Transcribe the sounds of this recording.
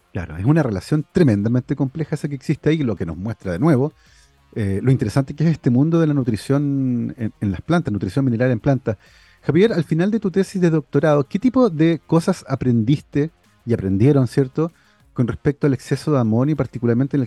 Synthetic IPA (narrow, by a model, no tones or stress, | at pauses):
kla̰ɾoesunare̞lasjo̞nt̪ɾeme̞nd̪ament̪eko̞mplexaesak̬eːksist̪eailokeno̰mwest̪ɾaðenwe̞βo | elo̞int̪eɾesant̪ekeeseht̪emũnd̪oðelanut̪ɾisjo̞nenenlasplant̪asnut̪ɾisjo̞nmine̞ɾale̞mplant̪a | xaβje̞ɾalfinald̪et̪ut̪esizðeðo̞k̚t̪oɾaðoket̪ipoðekosasapɾe̞nd̪ist̪e | iapɾend̪je̞ɾonsjeɾt̪o | konrehpek̚t̪oale̞ksesoðeamo̞njopaɾt̪ikulaɾment̪ene